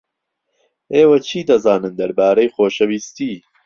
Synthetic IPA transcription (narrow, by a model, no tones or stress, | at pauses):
ʔeːwɐt͡ʃʰiːd̪ɐzaːnɨnd̪ɐɾbaːɾɐjxoːʃɐwiːst̪iː